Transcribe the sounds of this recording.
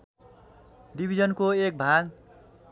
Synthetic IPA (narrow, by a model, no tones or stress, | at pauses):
ɖibʱizʌnkoek̚bʱaɡ